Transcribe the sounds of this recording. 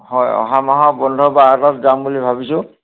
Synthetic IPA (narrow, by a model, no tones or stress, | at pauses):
hɔjɔ̰ɦamaɦɔbɔndʱɔbaːtɔtzambulibʱabisʊ̃